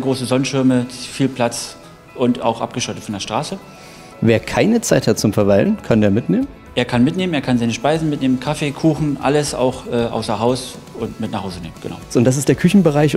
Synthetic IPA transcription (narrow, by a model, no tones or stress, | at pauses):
ɡʁoːsəzɔnənʃɪɐməfiːlpʰl̥at͡s | ʔʊnta̰ʊxʔa̰p̚ɡ̥əʃɔtətfɔndeːɐʃtʁ̥aːsə | veːɐkʰaɪnət͡saɪthat̚t͡sʊmfɛɐvalənkʰandeːɐmɪtneːmən | ʔeːɐkʰanmɪtneːməneːɐkʰanzaɪnəʃpaɪzn̩mɪtneːmənkʰafeːkʰuːxn̩ʔa̰ləsa̰ʊxʔɛːʔa̰ʊsɐɦaʊs | ʊntmɪtnaχhaʊzəneːmənɡ̥əna̰ʊʊntd̥as̬ɪstd̥eːɐkʰʏçn̩bəʁaɪç